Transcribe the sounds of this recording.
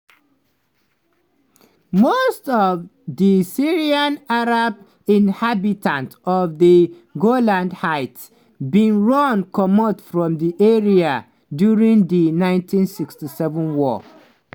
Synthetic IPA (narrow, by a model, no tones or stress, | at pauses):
mostɔvðisiɹiãnaɹab | ĩnhabitʰãntɔvði | ɡolãndhaɪt | bĩnɹɔ̃nkʰɔmɔtfɹɔ̃mðiʔɛɹia | djuɹĩŋðinãɪ̃ntʰĩnsikstisɛvə̃nwɔ